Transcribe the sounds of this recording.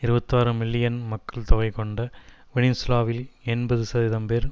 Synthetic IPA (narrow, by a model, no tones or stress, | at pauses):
ɪɾɯbɐt̪ːaːɾɯmɪlːɪjɐnmɐkːɐɭt̪ɔɣɐɪkɔɳɖɐ | ʋɪɳɪnslaːʋɪlɛnbɐðɯsɐðiːðɐmpeːɾ